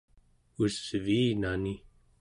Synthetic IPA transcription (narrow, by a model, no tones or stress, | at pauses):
usviːnani